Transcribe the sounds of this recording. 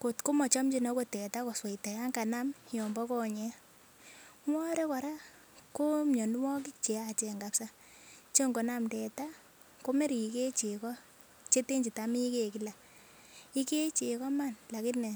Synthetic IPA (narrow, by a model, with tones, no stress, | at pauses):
ko˨tko˦mɔ˨t͡ʃɔ˦md͡ʒi˦˨nɔ˨˦ko˦tɛ˨ta˦kɔ˨swe˨i˨ta˨ja˦ŋka˨na˦mjɔ˨mbɔ˦kɔ˦ɲɛ˨˦ | ŋwɔ˦ɾɛ˦kɔ˨ɾa˦ | ko˦mɲɔ˨ndwɔ˦k̬i˦t͡ʃe˨a˨t͡ʃɛ˨ŋɡa˨psa˦ | t͡ʃe˦ŋɡo˨na˦mdɛ˨ta˦ | ko˦me˦ɾi˨i˨ke˦t͡ʃe˨kɔ˦ | t͡ʃe˦te˦ɲd͡ʒi˨ta˨mi˦ke˦˨ki˨la˨ | i˦ke˦t͡ʃe˨kɔ˦ma˦˨nla˨kɪ˦tnɛ˨